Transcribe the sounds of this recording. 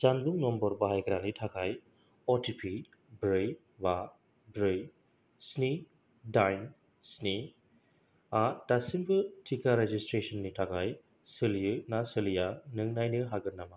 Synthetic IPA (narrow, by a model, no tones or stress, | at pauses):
zanbuŋnɔmbɔɾbɐɦajɡɾanitʰakaj | ɔtʰipʰi | bɾɯj | ba | bɾɯj | sni | dajn | sni | atasinbɯtʰikaɾed͡ʒistɾesɔnːitʰakaj | sɯljɯnasɯlijanɯŋnajnɯɦaɡɯɾnama